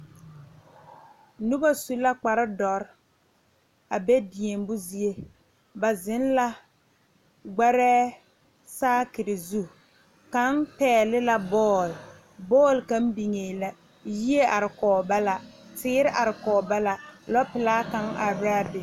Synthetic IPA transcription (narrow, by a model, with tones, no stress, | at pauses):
nu˦ba˦su˦la˦k͡pa˨ɾɪ˦dɔ˨ɾ | a˨bɛ˦di˨e˨mbʊ˦zi˦e˦ | ba˨zɪ˨˦nla˦ | ɡ͡ba˦ɾɛː˦ | saː˦kɪ˨ɾɪ˨zu˦ | ka˦npɛː˨lɪ˦la˦bɔː˦˨l | bɔː˦˨lka˦m˦bi˨ŋeː˨la˨ | ji˦e˦ʔa˨ɾɪ˨kɔː˨ba˦la˨tɪː˦ɾɪ˦ʔa˨ɾɪ˨kɔː˨ba˦la˦lɔ˦pɪ˨laː˦ka˦ŋa˨ba˦bɪ˨